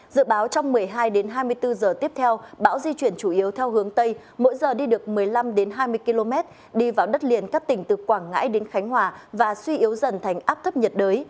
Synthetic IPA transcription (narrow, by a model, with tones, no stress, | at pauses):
zɨ̰˧˨ɓaː˨˦wt͡ɕɔ˧wŋ͡mmɨ˨˩əjɦaː˧jɗe˨˦nɦaː˧jmɨ˧əjt̪ɨ˧zəː˨˩t̪i˦˥əp̚t̪ʰɛ˧wɓa̰ː˧˥wzi˧t͡ɕwi˧˩ənt͡ɕu˧˩ʔi˨˦əwt̪ʰɛ˧wɦɨ˨˦əŋt̪ə˧j | mo̰˧˥jzəː˨˩ɗi˧ɗɨ˨˩ək̚mɨ˨˩əjla˧mɗe˨˦nɦaː˧jmɨ˧əjki˧lo˧mɛ˦˥t̚ | ɗi˧vaː˨˩wɗə˦˥t̚li˨˩ənkaː˦˥k̚t̪ï˧˩ŋ̟t̪ɨ˨˩kwaː˧˩ŋŋa̰ː˧˥jɗe˨˦nxa˨˦jŋɦwaː˨˩vaː˨˩swi˧ʔi˨˦əwzə˧˩nt̪ʰa˨˩jŋ̟ʔaː˦˥p̚t̪ʰə˦˥p̚ɲə˨˩t̚ɗəː˨˦j